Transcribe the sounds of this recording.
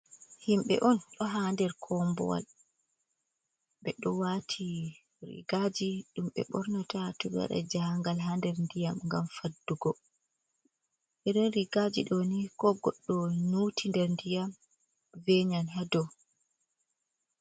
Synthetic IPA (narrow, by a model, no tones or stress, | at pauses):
himɓɛ̰ʔɔnɗɔɦaːndɛɾkʰɔmbɔ̰wa̰l | ɓɛɗɔwaːtʰi | ɾḭɡad͡ʒiɗumɓɛ̰ɓɔɾnatatuɡa̰ɗa̰d͡ʒaŋɡalɦandɛɾndijamŋɡamfadːuɡɔ | ʔɛɗɔnɾiɡad͡ʒḭɗɔnikɔɡɔɗːɔnutʰindɛɾndijam | vɛɲanɦadɔ